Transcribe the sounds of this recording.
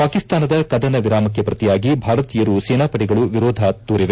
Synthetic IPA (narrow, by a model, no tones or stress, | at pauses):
paːkist̪aːnɐd̪ɐkɐd̪ɐnɐʋiɾaːmɐkjɐpɾɐt̪ijaːɡibʱaːɾɐt̪iːjɐɾuseːnaːpɐʈiɡɐɭuʋiɾɔːd̪ʱat̪ːuːɾiʋe